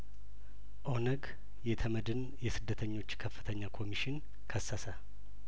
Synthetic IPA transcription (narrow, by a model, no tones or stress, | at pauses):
ʔo̞nəɡ | jɛt̪ʰəməd̪ɨn | jɛsɨd̪ːət̪ʰəɲːo̞t͡ʃːkʰəfːɨt̪ʰəɲːakʰo̞miʃɪn | kʰəsːasə